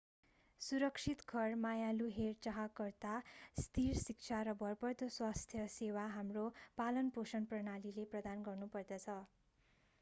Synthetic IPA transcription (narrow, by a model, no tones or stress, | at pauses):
suɾʌksʰit̪kʰʌrmajaluɦert͡sʌɦakʌrt̪ast̪irsik̚t͡sʰaɾʌbʌrpʌrd̪oswast̪ʰjʌsewaɦamropalʌnposʌnprʌnalileprʌd̪anɡʌrnupʌrd̪ʌt͡sʰʌ